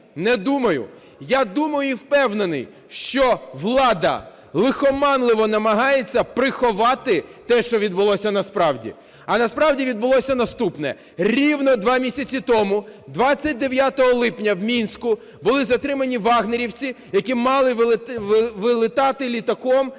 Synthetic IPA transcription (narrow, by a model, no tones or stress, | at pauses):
nɛd̪umɐjʊ̰ | jad̪umɐjʊiwpɛwnenɪj | ʃt͡ʃɔʋlˠɑd̪ɐ̰ | lˠɪxɔmɑnlˠɪʋɔnɐmɐɦɑjet͡sʲːɐpɾɪxɔʋɑt̪ɪt̪ɛʃt͡ʃɔʋʲid̪bʊlˠɔsʲɐnɐspɾɑwdʲḭ | ɐnɐspɾɑwdʲiʋʲid̪̚bʊlˠɔsʲɐnɐst̪upnɛ̰ | rʲiwnɔd̪ʋɑmʲisʲɐt͡sʲit̪ɔmʊd̪ʋɑt͡sʲːɐt̚ʲd̪eʋʲjat̪ɔɦɔlˠɪpnʲɐwmʲinsʲkʊ | bʊlˠɪzɐt̪ɾɪmɐnʲiʋɑɦneɾʲiwt͡sʲi | jɐkʲimɑlˠɪʋʋʋɪlˠɪt̪ɑt̪ɪlʲit̪ɐkɔm